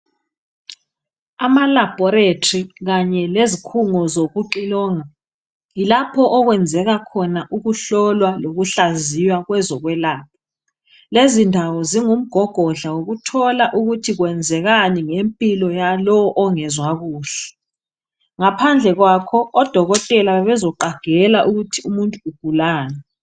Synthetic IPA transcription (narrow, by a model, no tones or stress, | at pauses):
amalab̥ʱɔɾetʰriɣaɲɛlezikʰuŋɔzoɣuǃilɔːŋa | ilapʰɔʔɔɣwɛnd͡zʱɛɣakʰɔnaʔuɣuɬɔlwaloɣuɬazijwaɣwɛzɔɣwɛlaːp̚ʰɔ | lezindʱawɔziŋum̩ɡ̥ʱɔɡ̥ʱɔɮawoɣutʰɔlaʔuɣutʰiɣwɛnd͡zʱɛɣaniŋempʼilɔjalɔwɔʔɔŋɛzwaɣuːɬɛ̥ | ŋapʰand͡ɮʱɛɣwakʰɔːd̥ʱɔɣɔtʼɛlaβɛzɔǃaɡ̥ʱɛlaʔuɣutʰiumuntʼuuɡ̥ʱulaːnɛ